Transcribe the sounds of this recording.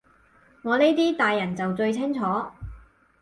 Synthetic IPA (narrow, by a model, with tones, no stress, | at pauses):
ŋɔː˨˧ne˥t̪iː˥t̪aː˨jːɐ˨˩nt͡sɐ˨wt͡ʃɵ˧ɥt͡sʰɪ˥ŋt͡ʃʰɔː˨˥